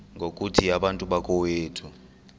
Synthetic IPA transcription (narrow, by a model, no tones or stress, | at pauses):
ŋɡʱokʼutʰiaɓantʼuɓakʼɔweːtʰu